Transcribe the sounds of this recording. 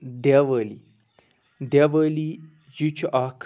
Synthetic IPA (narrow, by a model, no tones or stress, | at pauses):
d̪aʋəli | d̪aʋəli | jut͡ʃakʰ